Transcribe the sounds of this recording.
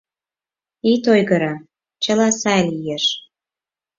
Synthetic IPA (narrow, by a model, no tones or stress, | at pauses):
it̪ojɣəɾɑ | t͡ɕə̆lɑsɑelʲijeʃ